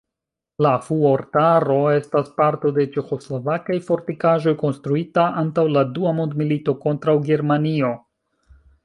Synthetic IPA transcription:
lafuoɾtaɾo̞e̞staspaɾto̞de̞t͡ʃe̞xo̞slo̞vakajfo̞ɾtikaʒo̞jko̞nstɾuitaʔantawladuamondmilito̞ko̞ntɾawɡe̞ɾmanio̞

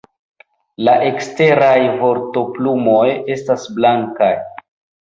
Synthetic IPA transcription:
laʔe̞kste̞ɾajvo̞ɾto̞plumo̞je̞stasblaŋkaj

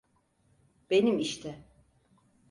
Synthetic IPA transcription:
b̥e̞nimiʃt̪ʰɛ

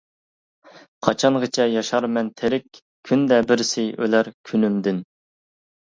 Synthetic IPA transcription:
qʰɑt͡ʃʰɑɴʁət͡ʃʰɛjɑʃɑɾmɛnt̪ʰɪɾɪkʲ | kʲʰːynd̪ɛbɪɾsɪø̰læɾkʲʰynymd̪ɪn

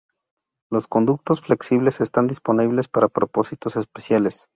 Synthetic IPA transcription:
lo̞sko̞nd̪uk̚t̪o̞sfle̞ksiβle̞se̞st̪and̪ispo̞niβle̞spaɾapɾo̞po̞sit̪o̞se̞spesjale̞s

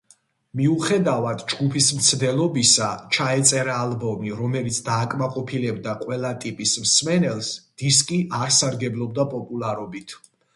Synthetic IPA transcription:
miuχɛd̪avad̪d͡ʒɡupʰismt̪sʰd̪ɛlˠɔbisat͡ʃʰaɛt̪sʼɛɾaːlˠbɔmiɾɔmɛlit̪sʰd̪aːkʼmaqʼɔpʰilɛbd̪aqʼwɛlˠat̪ʼipʼismsmɛnɛlˠsd̪̥iskʼiʔaɾsaɾɡɛblˠɔb̚d̪apʼɔpʼulˠaɾɔbit̪ʰ

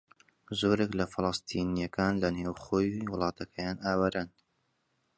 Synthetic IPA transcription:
zoːɾeklɐfɨlˠɑst̪ʰiːnijɐkʰaːnlɐnewχoːjwʊlˠɑːt̪ɐkʰɐjaːnaːwɐɾɐn

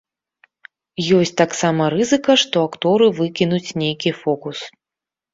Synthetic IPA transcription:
jɔsʲt͡sʲt̪aksamɐɾɨzɨkɐʂt̪ɔakt̪ɔɾɨvɨkʲinut͡sʲnʲejkʲifɔkus

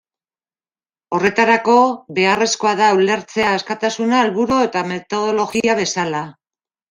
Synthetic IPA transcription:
o̞re̞t̪aɾako̞βe̞are̞sko̞aðaule̞ɾt͡se̞aːskat̪asunaelβuɾoe̞t̪ame̞t̪o̞ðo̞lo̞ɣiaβ̞e̞sala

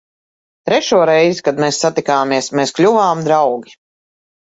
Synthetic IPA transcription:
t̪ɾɛʃuɔɾɛjzikad̪meːsːat̪ikaːmiɛsmeːsklʲuvaːmd̪ɾawɡʲi

